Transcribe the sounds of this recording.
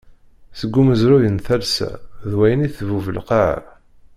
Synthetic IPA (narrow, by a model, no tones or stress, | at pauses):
səɡːuməzɾujənθælsæ̰ðwæjəniθəvuvəlqɑʕa̰ɾ